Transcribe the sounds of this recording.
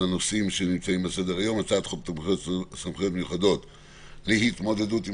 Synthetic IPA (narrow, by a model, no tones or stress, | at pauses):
anosimʃenimt͡saimbesed̪eʁajo̞mat͡sat̪χob | somχeot̪mejuχado̞t̪ | liɦit̪mo̞d̪e̞dut̪i